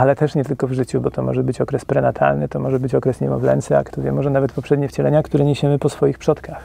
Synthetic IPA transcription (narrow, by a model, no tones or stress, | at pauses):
alɛt̪ɛʂɲɛt̪ɘlkɔvʐɘt͡ɕubɔt̪ɔmɔ̰ʐɛbɘt͡ɕɔkɾɛspɾɛnat̪ʰa̰lnɘ̰t̪ɔmɔʐɛbɘt͡ɕɔkɾɛsɲɛmɔ̰vlɛ̰nt̪sɛja̰kt̪ɔvʲjɛmɔʐɛnavɛt̪pɔpʂɛd̪ɲɛft͡ɕɛlɛɲakt̪uɾɛɲeɕɛmɘpɔsfɔjixpʂɔt̪kax